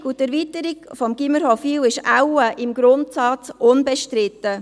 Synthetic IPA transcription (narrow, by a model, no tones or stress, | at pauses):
utɛɾviːtəɾikfɔmɡ̥iməɾhɔfiːwɪʃawəʔɪmɡ̥ɾʊntsɑt͡sʔʊnbɛʃtɾɪt̪ːə